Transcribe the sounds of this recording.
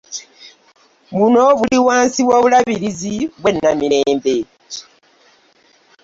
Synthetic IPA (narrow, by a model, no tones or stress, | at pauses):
munoβuliwaːnsiwaβulaβiɾiziβwenːamiɾeːmbe